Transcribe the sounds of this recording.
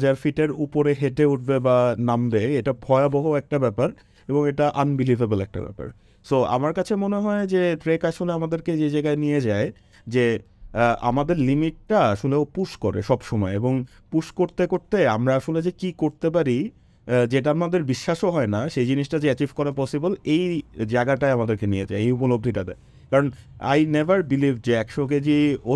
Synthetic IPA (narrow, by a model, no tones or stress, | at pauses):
d͡ʑaɾfiʈeɾupoɾeɦeʈeuʈ̚bebanambeeʈabʱɔeabɔɦoɛk̚ʈabɛpaɾ | eboŋeʈaʔanbilivʱebolɛk̚ʈa̰bɛ̰pa̰ɾ | soa̰maɾkat͡ɕʰemoneɦɔed͡ʑeʈɾekaʃoleamad̪eɾked͡ʑed͡ʑaɡaenijed͡ʑae | d͡ʑe | a̰mad̪eɾlimiʈ̚ːaaʃoleopuʃkoɾḛʃɔbʃɔmɔeeboŋ | puʃkoɾt̪ekoɾt̪eamɾaaʃoled͡ʑekikoɾt̪ep̬aɾi | d͡ʑeʈamad̪eɾbiʃːaʃoɦɔenaʃejd͡ʑiniʃʈad͡ʑeɛt͡ɕifkɔɾepɔsibolejd͡ʑaeɡaʈaeamad̪eɾkenied͡ʑa̰eejupolob̚d̪ʱiʈad̪ɛ̰e | kaɾona̰jnebʱaɾbilivd͡ʑeɛkʃok̬ed͡ʑio